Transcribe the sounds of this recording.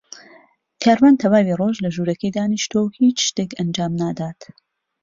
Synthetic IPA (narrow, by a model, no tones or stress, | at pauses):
kʰaːɾwaːnt̪ʰɐwaːwiroʒlɐʒuːɾɐkɐjd̪aːniʃt̪owhit͡ʃʃt̪ekɐnd͡ʒaːmnaːd̪aːt̪